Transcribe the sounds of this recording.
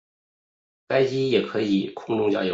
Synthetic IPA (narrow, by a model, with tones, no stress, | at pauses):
ka˥ɪt͡ɕi˥jɛ˨˩kʰɤ˧˥i˨˩˦kʰʊ˥˧ŋʈ͡ʂʊ˥˧t͡ɕjɑ̰˥˩jo̰˨˧˩